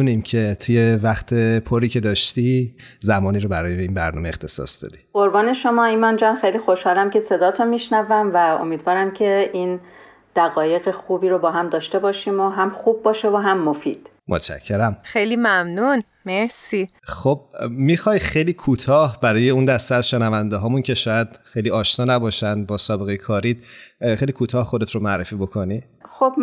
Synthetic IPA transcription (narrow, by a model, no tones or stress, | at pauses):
unimcʰe̞t̪ʰuje̞væχt̪ʰe̞pʰoɾiːcʰe̞d̪ɒːʃt̪izæmɒːniːɾobæɾɒːjeiːnbæɾnɒ̰ːmeeχt̪ʰe̞sɒ̰sd̪̥ɒ̰ːd̪i̥oɾbɒːne̞ʃomɒːinmɒnd͡ʒɒːnxejliːxoʃhɒːlæmcʰe̞se̞d̪ɒːt̪ʰomiʃnævæmvæo̰miːd̪vɒːɾæmcʰe̞ʔin | d̪̥æɣɒːje̞ɣexuːbiːɾobɒːɦæmd̪ɒːʃt̪e̞bɒːʃiːmoɦæmxub̚ːɒːʃevoɦæmːofiːd̪̥ | mʔot̪t͡ʃʰæ̰cʰːe̞ɾæmxejlimæmnun | meɾsiː | xob̚mixɒjxejliːkʰuːt̪ʰɒːhbæɾɒːje̞und̪æst̪eæzʃe̞nævænd̪eɦɒːmuncʰe̞ʃɒːjæd̪̥xejliːɒːʃnɒːnæbɒːʃænd̪̚bɒːsɒːbe̞ɣe̞jekʰɒːɾid̪̥xejliːkʰuːt̪ʰɒːhxod̪e̞t̪ʰɾomææɾefiːbo̞kʰo̞ni | xob